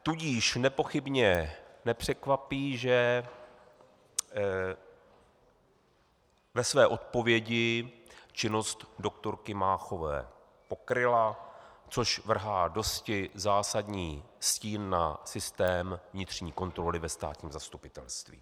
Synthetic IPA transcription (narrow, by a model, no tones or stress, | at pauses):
t̪uɟiːʃnɛpo̞xɪbɲɛnɛpr̝̥ɛkvapiːʒɛ | vɛsvɛːʔo̞t̪̚po̞vjɛɟɪt͡ʃɪnost̪do̞k̚t̪o̞ɾkɪmaːxo̞vɛ̰ː | po̞kɾɪlat͡so̞ʃvr̩ɦaːdo̞scɪzaːsadɲiːsciːnːasɪst̪ɛːmvɲɪt̪r̝̥ɲiːko̞nt̪ɾo̞lɪvɛst̪a̰ːt̪ɲiːmzast̪upɪt̪ɛlst̪vḭː